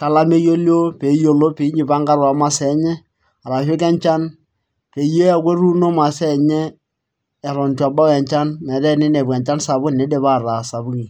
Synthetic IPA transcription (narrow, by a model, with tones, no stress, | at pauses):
ka˨la˦me˦jo˦lo˦pe˨˦jo˨lo˦pe˨˦i˦ɲi˨pa˦ŋɡa˦ɾwa˨ma˦sɛ˨˦ɲɛ˦ | a˨ɾa˨fɪ˦kɛ˦ɲt͡ʃa˦n | pe˨je˦ja˦kwe˦ɾu˦no˦ma˨sɛ˦˨ɲɛː˦˨ | ɾɔ˨nta˨ba˦ɛ˨ɲt͡ʃa˦nmɛ˨dɛ˦nɪ˦ne˨bɛ˨ɲt͡ʃa˦nsa˨bʊ˦nne˨˦de˨βa˦˨ɾa˨sa˨bu˦ki˨